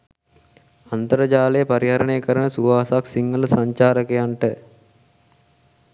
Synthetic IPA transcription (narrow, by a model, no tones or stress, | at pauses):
ant̪əɾəd͡ʒaːlejəpaɾiɦaɾəɳejəkəɾənəsuʋaːsaksiŋːələsaɲt͡ʃaːɾəkəjaɳʈə